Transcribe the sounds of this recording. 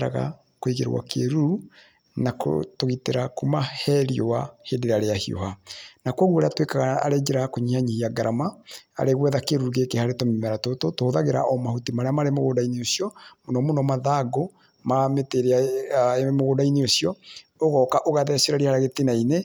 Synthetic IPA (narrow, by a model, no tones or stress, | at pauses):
ɾa̰ɣa̰ | kwiɣḛɾwa̰kḛɾu | nako̰toɣiteɾakomahɛɾiowahedeɾaɾeahio̰hanakwoɣwoɾeatwekaɣaa̰ɾed͡ʒeɾakoɲihaɲiiaɡaɾʔamaa̰ɾeɣwɛðakeɾuɾɣekehaɾetomemɛɾatototohoðaɣeɾa̰ʔɔmahutimaɾeamaɾemoɣoːdaineosiɔmonɔmonɔmaðaɡo | mameteɾeaemoɣoːdaineosjɔ | oɣɔkaʔoɣaðɛseɾaɾihaɾaɣetenaine